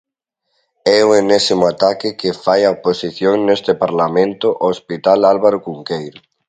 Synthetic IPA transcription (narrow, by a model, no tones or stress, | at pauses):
ɛoenesimoat̪akɪkefajaoposiθjoŋnest̪ɪpaɾlamẽnt̪ʊʔospit̪alalβaɾokuŋkejɾo